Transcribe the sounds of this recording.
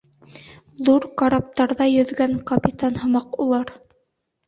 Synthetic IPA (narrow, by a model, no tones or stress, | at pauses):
ðuɾkɑɾɑp̚t̪ɑɾðɑjɵ̆ðɡæŋkɐpʲit̪anhɤ̆mɑqulˠɑɾ